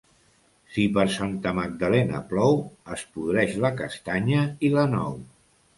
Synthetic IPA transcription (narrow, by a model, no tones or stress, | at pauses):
sipəɾsant̪əməɡ̚d̪əlɛnə̰plɔwəspuðɾɛʃləkəst̪aɲəilənɔ̰w